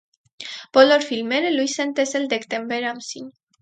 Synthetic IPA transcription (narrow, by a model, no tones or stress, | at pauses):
poloɾfilmeɾelujsent̪eseld̪ekt̪embeɾamsiɲ